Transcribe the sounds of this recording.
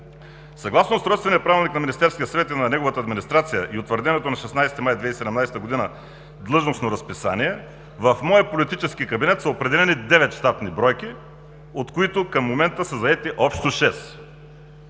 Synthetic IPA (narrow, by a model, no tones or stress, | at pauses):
sɐɡlˠasnosɾɔjt̪t̪vɛniəpɾavʲilˠniknɐminist̪ɛɾskijəsvɛt̪inɐnɛɡovət̪əːd̪minist̪ɾat̪sijəʔiot̪vəɾd̪ɛnɛt̪onɐʃɛsnajst̪imajd̪vɛisɛd̪ɛmnajsɛt̪əɡod̪inə | d̪lˠɤʒnosnoɾɐspisa̰niɛ | vɐfmɔjəpolit̪it͡ʃɛskikɐbinɛt̪sɐopɾɛd̪ɛlɛnid̪ɛvɛt̪ʃt̪at̪nibɾɔjki | ot̪koit̪ʊkɐmːomɛnt̪əsɐzɐɛt̪iʔɔpʃt̪oʃɛs